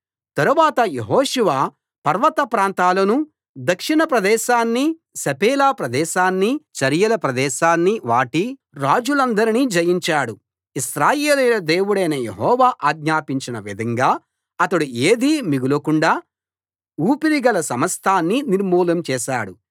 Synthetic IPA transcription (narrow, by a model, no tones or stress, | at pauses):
t̪ɐɾuʋaːt̪ɐjeɦoːʃuʋaː | pɐɾʋɐt̪ɐpɾaːnt̪aːlɐnu | d̪ɐkʂiɳɐpɾɐd̪ɛːʃaːnːi | sɐpɛːlaːpɾɐd̪ɛːʃaːnːit͡ʃɐɾjɐlɐpɾɐd̪ɛːʃaːnːiʋaːʈi | ɾaːd͡ʒulɐnd̪ɐɾinid͡ʒɐjiɲt͡ʃaːɽu | isɾaːjeːlujlɐd̪eːwuɽɐjnɐjeɦɔːʋaːʔaːɡɲaːpiɲt͡ʃinɐʋid̪ʱɐŋɡaː | ɐt̪ɐɽueːd̪imiɡulɐkuɳɖaː | uːpiɾiɡɐlɐsɐmɐst̪ʰaːnːiniɾmuːlɐmt͡ʃɛːʃa̰ːɽu